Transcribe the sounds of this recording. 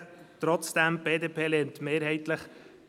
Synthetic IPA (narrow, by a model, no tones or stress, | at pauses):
t̪ɾɔt͡sd̥æmb̥eːdeːpʰeːleːnt̪meːɾɦɛɪtləχ